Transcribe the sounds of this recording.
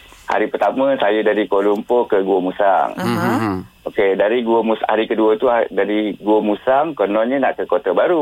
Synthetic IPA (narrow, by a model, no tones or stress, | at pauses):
ha̰ɾipərt̪amə̃sajədaɾikolumpokəɡuomusa̰ŋ | okedaɾiɡuomusha̰ɾikəduət̪uadaɾiɡuomusaŋkənɔnɲənaʔkəkot̪abaɾu